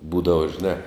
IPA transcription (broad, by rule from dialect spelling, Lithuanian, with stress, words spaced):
ˈbuːdɐʋɐ ʒʲɪˈnɑː